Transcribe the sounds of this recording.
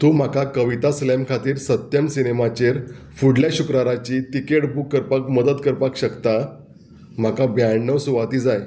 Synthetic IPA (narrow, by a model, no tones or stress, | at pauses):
t̪um̤akakəʋit̪aslɛmkʰat̪iːɾsət̪jəmsinemat͡ɕeɾ | fuɽljaɕukɾaɾat͡ɕit̪ikeɽbʱukːəɾpakməd̪ət̪kəɾpakɕəkt̪a | m̤akabjaɳɳəʋsuʋat̪iːd͡zaj